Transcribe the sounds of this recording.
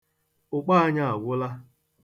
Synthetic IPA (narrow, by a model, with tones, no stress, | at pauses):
ʊ˨k͡pa˦a˦ɲa˦a˨ɡʷʊ˦la˦